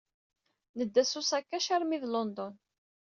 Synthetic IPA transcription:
nəd̪ːæsusækːæʃaɾmiðlɔnd̪ɔn

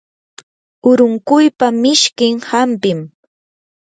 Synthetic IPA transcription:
ʊɾʊŋkʊjpamɪʃkɪŋhampɪm

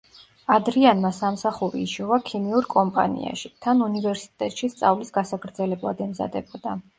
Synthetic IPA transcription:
ad̪ɾianmasamsaχuɾḭːʃɔvakʰimiuɾkʼɔmpʼa̰nḭa̰ʃit̪ʰanunivɛɾsi̥t̪ʼɛt̪ʼʃist̪sʼavlisɡasakʰɾd̪zɛlɛblˠa̰d̪ɛmza̰d̪ɛb̥ɔd̪a

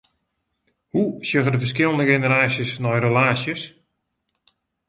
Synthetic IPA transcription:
husjəɣədəvərskɪlˠndəɣenəɾaːsjəsnɔjrəlaːsjəs

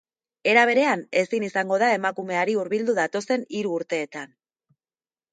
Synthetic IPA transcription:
e̞ɾaβ̞e̞ɾe̞ane̞sinisaŋɡo̞ð̞ae̞makume̞aɾiuɾβild̪uðat̪o̞se̞niɾuːɾt̪e̞ːt̪an

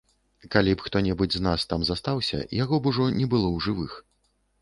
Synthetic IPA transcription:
kalʲipxt̪ɔnʲɛbɨd͡zʲznast̪amzast̪awsʲɐ̰jaɣɔbuʐɔnʲɛbɨlˠɔwʐɨvɨx

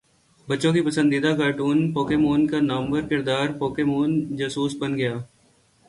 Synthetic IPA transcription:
bɐtːʃõkipɐsə̃nd̪id̪akaːʈuːnpoːkemoːnkanɐmbəɾkɪɾd̪aːɾpoːkemoːnd͡ʒɐsuːsbɐnɡɐjaː

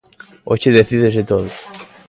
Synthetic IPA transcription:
ot͡ʃeðeθiðezet̪oðo

